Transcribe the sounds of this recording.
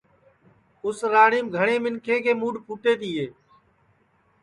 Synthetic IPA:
ʊsɾaːɳiːmɡʱəɳeːmɪnkʰeːkeːmuːɖpuːʈeːt̪iːɦeː

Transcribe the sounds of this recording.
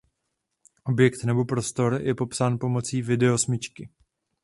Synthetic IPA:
ʔo̞bjɛkt̪nɛbo̞pɾo̞st̪o̞ɾjɛpo̞psaːnpo̞mo̞t͡siːvɪdɛo̞smɪt͡ʃkɪ

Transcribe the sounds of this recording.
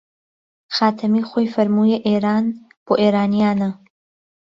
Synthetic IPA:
xaːt̪ʰɐmiːχʷojfɐɾmuːjeʔeːɾaːn | b̥oːʔeːɾaːnijaːnɐ

